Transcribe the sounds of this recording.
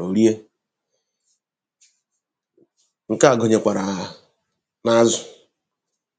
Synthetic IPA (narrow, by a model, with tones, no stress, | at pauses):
o˨ɾi˦e˦ | ŋ̩˨ka˦a˨ɡo˨ɲe˨kʷa˨ɾa˨ | na˦zʊ˨